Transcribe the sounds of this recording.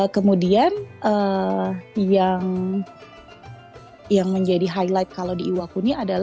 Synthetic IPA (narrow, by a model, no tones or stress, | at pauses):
kəmudianə | jaŋ | jaŋməɲd͡ʒadiɦajlajt̪̚kalawdiiwakuniadala